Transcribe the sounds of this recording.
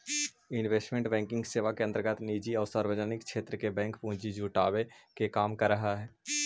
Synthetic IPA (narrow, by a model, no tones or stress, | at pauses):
ɪnʋeːsʈmẽɳʈbɛ̃ːŋkɪ̃ŋɡseːʋakeə̃nt̪əɾɡət̪niːd͡ʒiɔːɾsaːɾʋəd͡ʒənɪkkʃeːt̪ɾəkebɛ̃ːŋkpũːt͡ʃid͡ʒuːʈaːʋekekaːmkəɾːəɦaɦɛː